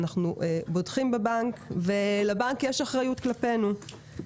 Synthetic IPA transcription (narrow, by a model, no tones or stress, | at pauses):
naχnuʔbodχimbebaŋkve̞lebankjeʃaχʁajutklape̞nu